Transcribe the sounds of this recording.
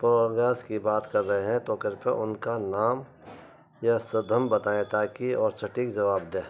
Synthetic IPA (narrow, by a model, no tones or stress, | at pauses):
poːɾɡaːskibaːt̪kɐɾːɐɦeɦɛ̃t̪oːkɪɾpeʔʊnkanaːm | jasɐd̪ʱəmbɐt̪aːẽt̪aːkiɔːɾsɐʈikd͡ʒɐʋaːb̚d̪ẽː